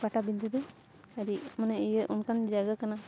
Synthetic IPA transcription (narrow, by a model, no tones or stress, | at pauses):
paʈabind̪ɛd̪ɔ | aɾiʔmanɛijəʔunkand͡ʒaɡakana